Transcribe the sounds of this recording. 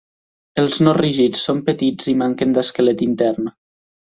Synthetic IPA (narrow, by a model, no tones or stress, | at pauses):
əlˠznoriʒit͡sːompət̪id͡zimaŋkənd̪əskəlet̪int̪ɛɾn